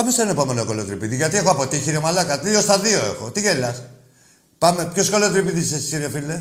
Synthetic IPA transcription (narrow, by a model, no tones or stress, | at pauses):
pɐmesenɐepome̞noekolot̪ɾipiðiʝɐt̪iexoɐpo̞t̪içiɾomalɐkɐðio̞st̪ɐðioe̞̰xot̪iɣelɐs | pɐmepçoskolot̪ɾipiðisesi̥siɾofile